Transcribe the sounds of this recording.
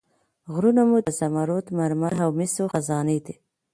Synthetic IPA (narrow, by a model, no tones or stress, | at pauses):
ɣɾunamud̪asamaɾot̪maɾmaɦawmɪsoxazɑned̪e